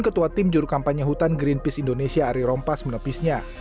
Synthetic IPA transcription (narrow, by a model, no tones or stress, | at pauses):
nkət̪uat̪ɪmd͡ʒuɾukampaɲaɦut̪anɡɾinpɪsindonesiaːɾiɾɔmpasmənəpisɲa